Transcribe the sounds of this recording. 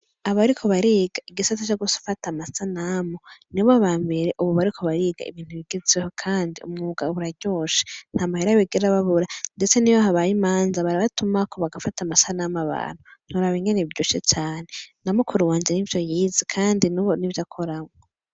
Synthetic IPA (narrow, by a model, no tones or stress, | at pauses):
aββaɾikʰo̞βaɾiːɡ̥aiɡisatat͡ʃoɡusu̥fatamasanamoniβoβaːmbe̞ɾeʔuβuβaɾikʰo̞βaɾiɡa̰ḭβiːn̥uβiɡ̥ezeho̞kʰaːndiṵmŋuɡauβuɾaɟo̞ːʃe̥n̥haːmaheɾaβeɡeɾaβaβuɾande̞t͡seniβaɦaβajimaːnzaβaɾaβatumakʰo̞βaɡafatamasanamaβa̰ːn̥hun̥huɾaβiŋɡeneβiɾɟoʃiet͡ʃaːne̞namukʰuɾuwaːnd͡ʒenivjo̞jiːzikʰaːndinuβonivjakʰo̞ɾamŋo